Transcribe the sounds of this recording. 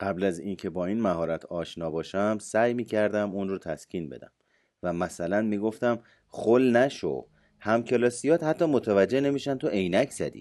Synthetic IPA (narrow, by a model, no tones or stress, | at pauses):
ɢ̥æblæzincʰe̞bɒːiːnmæhɒːɾæt̪ʰɒːʃnɒːbɒːʃæmsæjmiːcʰæɾd̪æmunɾut̪ʰæscʰiːnbe̞̰d̪æ̰m | væmæsælænmiːɡo̞ft̪æm | χolnæʃo̰ | hæmcʰelɒːsijɒːt̪hæt̪ʰːɒːmot̪ʰævæd͡ʒːene̞miːʃænt̪ʰoʔe̞jnæcʰz̥æ̰d̪ḭː